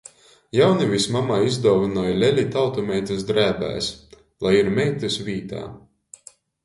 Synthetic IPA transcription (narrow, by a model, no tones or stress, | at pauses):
jawnivʲismamaizd̪ɔwvinɔːjlʲɛlʲit̪awt̪ɔmʲɛjt̪ʲɨsd̪ɾæːbæ̰ːs | lˠajiɾmʲɛjt̪ʲusvʲiːt̪a̰ː